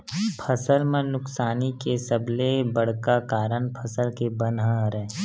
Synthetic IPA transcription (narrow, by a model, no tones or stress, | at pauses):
pʰəsəlmẽnʊksaːnikesəblebəɽ̤kakaːɾəɳ̃pʰɐsəlkebənɦaɾɛ̃ː